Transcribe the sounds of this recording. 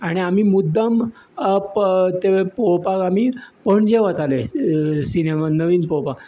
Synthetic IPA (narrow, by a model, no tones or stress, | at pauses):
aɽ̃iamimud̪ːam | t̪eʋepopakamipəɳd͡ʑeʋat̪alesinemanəʋiːnpowpak